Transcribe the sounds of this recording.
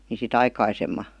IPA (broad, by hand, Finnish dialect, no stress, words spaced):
ni sit ɑikɑisemːɑ